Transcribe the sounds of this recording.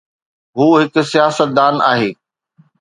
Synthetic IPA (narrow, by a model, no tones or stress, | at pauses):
ɦuːɦɪk̆sijaːsət̪̚d̪aːna̰ːɦeː